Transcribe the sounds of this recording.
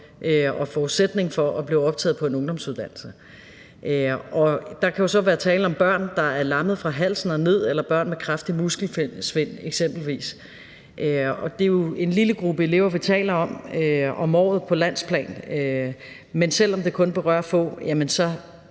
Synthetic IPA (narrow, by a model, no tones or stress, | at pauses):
ʔøɒ̽fɒːused̥ne̝ŋfɒ̽ʔɒ̽b̥liʊɒ̽b̥̚t͡sʰɛ̰ːð̩ˠpʰɒ̽e̝nɔ̽ŋd̥ɒ̽msuð̞ˠd̥æn̰l̩sə | ʔøɒ̽d̥ɑ̈kʰæjo̝sɒ̽ʋæːɐt͡sʰɛːləɒ̽mb̥ɶɐ̰nd̥ɑ̈æɐlɑ̈məð̞̩ˠfʁɑ̈ɦæl̰sn̩ɒne̝ð̰ˠelɐb̥ɶɐ̰nmekʰʁafd̥imusɡ̥l̩fesʋe̝n̰eɡ̥sem̰b̥l̩ʋḭːs | ʔøɒ̽d̥e̝jo̝e̝nliləɡ̥ʁub̥əe̝le̝ʊɐʋit͡sʰɛ̰ːlɐɒ̽møɒ̽mɒ̰ːð̩ˠpʰɒ̽læn̰spʰlɛ̰ːnø | mensel̰ɒ̽md̥e̝kʰɔ̽nb̥e̝ʁɶɐ̰fɔ̰jæmənsɒ̽